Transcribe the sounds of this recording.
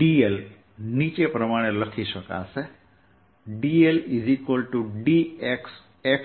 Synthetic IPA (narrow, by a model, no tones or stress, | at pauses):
ɖiel | nit͡ʃepɾəmaɽ̃eləkʰiʃəka̰se | ɖielizikwəlʈuɖieks | ek